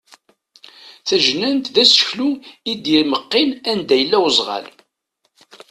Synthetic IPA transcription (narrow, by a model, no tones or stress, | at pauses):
θæʒnænt̪ðæsə̥çluid̪jiɾməqːɪnænd̪æjəlːæwzˤʁɑ̰l